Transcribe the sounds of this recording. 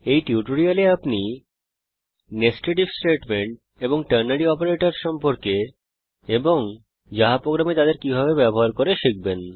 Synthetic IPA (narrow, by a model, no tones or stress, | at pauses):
ejʈiuʈoɾialeapni | nesʈeʈibsʈeʈmeɳʈ̚ | eboŋʈəɾnaɽiɔpoɾeʈaɾʃɔmpoɾke | eboŋ | d͡ʑaɦapɾoɡɾamet̪ad̪eɾkibʱabebɛboɦaɾkoɾeʃik̚ben